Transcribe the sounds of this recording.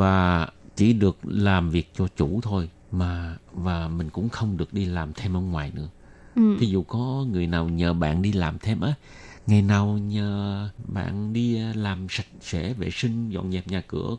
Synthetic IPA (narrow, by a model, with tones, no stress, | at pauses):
vaː˨˩t͡ɕi˧˩ɗɨ˨˩ək̚laː˨˩mvi˨˩ək̚t͡ɕɔ˧t͡ɕu˧˩t̪ʰo˧j | maː˨˩vaː˨˩mï˨˩ŋ̟kʊ̰˧˥ŋ͡mxə˧wŋ͡mɗɨ˨˩ək̚ɗi˧laː˨˩mt̪ʰe˧mʔə̰ː˧˦ŋwaː˨˩jnɨ̰˧˥ə | i˨˦zu˨˩kɔ˨˦ŋɨ˨˩əjnaː˨˩wɲəː˨˩ɓa̰ː˧˨nɗi˧laː˨˩mt̪ʰe˧mʔəː˨˦ | ŋa˨˩jnaː˨˩wɲəː˨˩ɓa̰ː˧˨nɗi˧laː˨˩msa˨˩jk̚sɛ̰˧˥ve˧˨˩sï˧ŋ̟zɔ̰˧˨nɲɛ˨˩p̚ɲaː˨˩kɨ̰˧˩ə